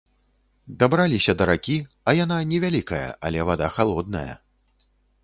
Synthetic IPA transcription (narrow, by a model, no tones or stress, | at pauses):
d̪abɾalʲisʲɐd̪ɐɾakʲi | ɐjananʲɛvʲalʲikɐjɐ̰ʔɐlʲɛvad̪axalˠɔd̪nɐjɐ̰